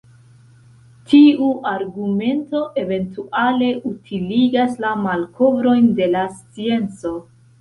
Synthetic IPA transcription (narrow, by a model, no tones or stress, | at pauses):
tʰiuʔaɾɡume̞nto̞ʔe̞ve̞ntuale̞ʔutʰiliɡaslamalkʰo̞vɾo̞jnde̞last͡sie̞nt͡so̞